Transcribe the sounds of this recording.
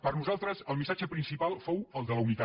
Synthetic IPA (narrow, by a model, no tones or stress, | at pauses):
pəɾnuzalˠt̪ɾəzəlˠmisad͡ʒəpɾinsipalˠfowəlˠd̪ələunit̪a